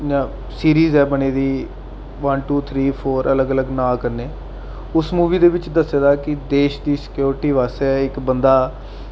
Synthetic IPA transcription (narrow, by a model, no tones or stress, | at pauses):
jãː | siːɾiːzɛːbəɽ̃eːd̪iː | ʋənʈuːt̪ʰɾiːpʰoːɾʔələɡələɡnãːkəɾneː | ʊsmuːʋiːd̪eːʋɪt͡ʃd̪əsːeːd̪aːkɪd̪eːʃd̪iːsɪ̥kjoːɾʈiːʋaːsɛɪkbənd̪aː